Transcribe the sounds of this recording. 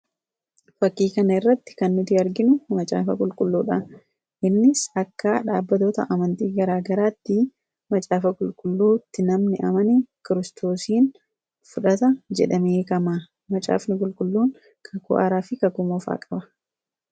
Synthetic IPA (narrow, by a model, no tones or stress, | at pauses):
fɐkːiːkɐnɐɪrːɐt̪ːɪ̥kɐnːʊt̪ɪɐɾɡɪnʊmɐt͡ʃʼa̰ːfɐkʼʊlkʼʊlːuːᶑa | ʔɪnːɪsɐkːaːᶑa̰ːbːɐt̪oːt̪ɐ̰ʔɐmɐnt̪iːɡɐɾaːɡɐɾaːt̪ːɪ | mɐt͡ʃʼaːfɐkʼʊlkʼʊlːuːt̪ːɪnɐmnɪʔɐmɐnikɪɾɪst̪o̞ːsiːn | fʊᶑɐt̪ɐd͡ʒɛᶑɐmeːkɐmaː | mɐt͡ʃʼa̰ːfnɪkʼʊlkʼʊlːuːŋ | kʰɐkʊ̰ʔa̰ːɾaːfɪkɐkʊmɔːfa̰ːkʼɐbɐ̥